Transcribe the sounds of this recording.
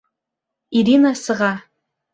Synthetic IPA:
iɾinasɨʁɑ

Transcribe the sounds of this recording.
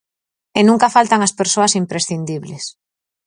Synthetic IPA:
enũŋkafalt̪aŋaspeɾsoasimpɾesθind̪iβles

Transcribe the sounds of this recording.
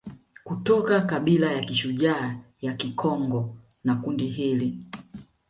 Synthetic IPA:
kutɔkakaɓilajakiʃuʄaːjakikʰɔŋɡɔnakundiɦili

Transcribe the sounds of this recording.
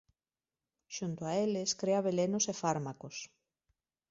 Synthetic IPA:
ʃunt̪oaeleskɾeaβelenosefaɾmakos

